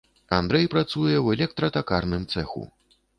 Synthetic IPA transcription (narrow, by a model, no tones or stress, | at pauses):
and̪ɾɛjpɾat̪sujɛwɛlʲɛk̚t̪ɾɐt̪akarnɨmt̪sɛxṵ